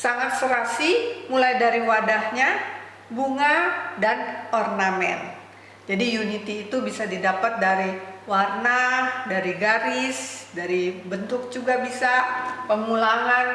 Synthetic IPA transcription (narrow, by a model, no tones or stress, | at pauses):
saŋat̪̚səɾasimulajdaɾiwadahɲa | buŋadanɔrnamɛ̰n | d͡ʒadijunit̪iːt̪ubisadidapat̪̚daɾiwarnahdaɾiɡaɾɪsdaɾibənt̪ʊk̚d͡ʒuɡabisapəmulaŋan